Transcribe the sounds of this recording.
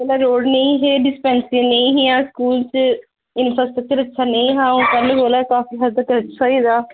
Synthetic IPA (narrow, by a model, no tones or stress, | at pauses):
ɛlaːɾoːɖneĩːɦeːɖɪspɛ̃ːnsɪ̃nəĩːɦijãːskuːlt͡ʃ | ɪnfəsʈək̚t͡ʃəɾətːʃʰaːneĩːɦãːũːpɛːleboːlaːkaːfiːɦəd̪ək̪ɾət͡ʃʰːsaiːd̪aː